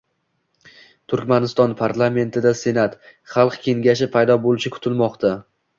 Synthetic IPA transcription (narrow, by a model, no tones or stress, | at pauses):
t̪ʰʊɾkʲmanɪst̪ɒnpʰaɾlˠame̞nt̪ʰɪd̪ase̞nat̪χɑlˠqkʲe̞ŋɡʲaʃɪpʰajd̪ɒbolˠɪʃɪkʰʊ̥t̪ʰɪlmɒqt̪ʰa